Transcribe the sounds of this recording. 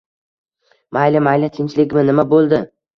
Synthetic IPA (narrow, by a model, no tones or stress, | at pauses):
majlɪmajlɪt̪ʰɪnt͡ʃlɪkʲmɪnɪmabolˠd̪ɪ